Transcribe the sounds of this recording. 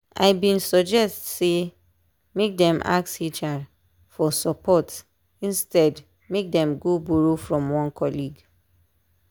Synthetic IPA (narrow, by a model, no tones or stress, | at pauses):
a̰ɪbĩnsɔd͡ʒɛstse | mek̚dɛ̃ma̰ksit͡ʃad | fɔsɔpʰɔt | ĩnstɛd | mek̚dɛ̃mɡobuɹofɹɔ̃mwɔ̃nkʰɔliɡ